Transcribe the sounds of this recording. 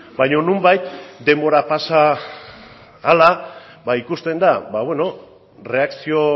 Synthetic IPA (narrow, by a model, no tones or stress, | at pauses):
bajɲo̞numbajt̪d̪e̞mbo̞ɾapasa | la | baikust̪e̞nd̪aβaβwe̞no̞ | re̞aksio̞